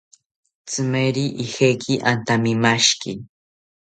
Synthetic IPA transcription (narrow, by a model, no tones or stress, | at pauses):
t͡sɨmeɾiʔixekʰiʔant̪amimaʃkɪ